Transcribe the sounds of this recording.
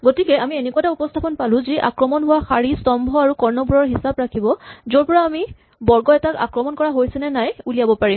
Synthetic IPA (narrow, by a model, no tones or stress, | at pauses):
ɡotikɛamienɛkuataupɔstʰapɔnpalʊ̃ziʔa̰kɹɔmɔnɦʊwaxaɹistɔmbʱɔaɹukɔɹnɔbuɹɔɹɦisabɹakʰibɔzoɹpɔɹaːmi | bɔɹɡɔɛtaka̰kɹɔmɔnkɔɹaɦojsɛnɛnajuliabɔpaɹim